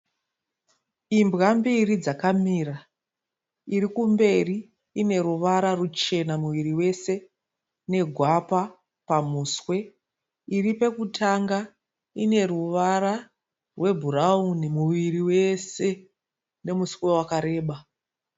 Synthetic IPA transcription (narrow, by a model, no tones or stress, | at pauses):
imbɣambirid͡zakamiːra | irikumbe̞riː | ne̞ɾuʋaɾarut͡ʃe̞namuʋiriwe̞se̞ | ne̞ɡʱwapa | pamuːswe̞ | iripe̞kutʰaŋɡa | ine̞ruʋaɾa | rwe̞bʱuraunimuʋiriwe̞se̞ | ne̞muskwe̞wakaɾe̞ːɓa